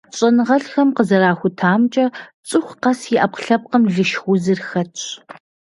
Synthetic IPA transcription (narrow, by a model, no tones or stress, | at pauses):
ɕʼɐnɨʁɐɬxɐmqəzɐɾaːxʷʊtʰaːmt͡ʃʼɐt͡sʼɨxʷqɐsjɪʔɐp̚qɬɐp̚qɐmɮɨʃxʷʊzɨrxɐtʰ